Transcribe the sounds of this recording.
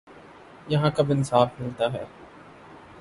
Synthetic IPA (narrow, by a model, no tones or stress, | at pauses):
jɐɦãkɐbɪnsaːfmɪlt̪aɦɛː